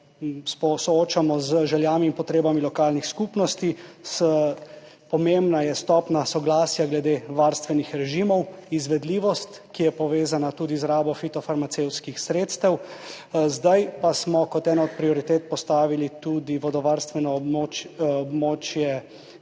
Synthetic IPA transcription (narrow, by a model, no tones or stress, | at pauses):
sɔsɔoːt͡ʃamɔzʒɛljaːmimpɔt̪ɾeːbamilɔkaːlnixskupnɔst̪is | pɔmembnajɛst̪ɔːpnasɔɡlaːsjaɡlɛd̪eʋaɾst̪ʋɛnixɾɛʒimɔwizʋɛd̪liːʋɔst̪ | kijɛpɔʋeːzanat̪uːd̪izɾaːbɔfit̪ɔfaɾmatsewt̪skixsɾeːt̪st̪ɛw | zd̪ajpasmɔkɔt̪ɛːnaɔt̪̚pɾiɔɾit̪eːt̪̚pɔst̪aːʋilit̪ud̪iʋɔd̪ɔʋaɾst̪ʋɛnɔoɔbmoːt͡ʃjɛ